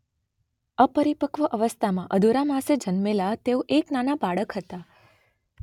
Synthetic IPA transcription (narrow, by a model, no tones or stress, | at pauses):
əpəɾipəkʋəʔəʋəst̪ʰamãʔəd̪ʱuɾamased͡ʒənmelat̪eoʔeknanabaɭəkɦət̪a